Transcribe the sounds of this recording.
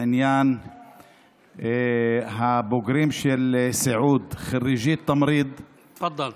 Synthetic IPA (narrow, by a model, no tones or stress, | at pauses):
ɪnjaːn | ɦaboɡɾiːmʃelsaʕuːd̪xaɾiʒiːt̪ːɑmɾiːd̪ | t̪fɑd̪ˤːɑl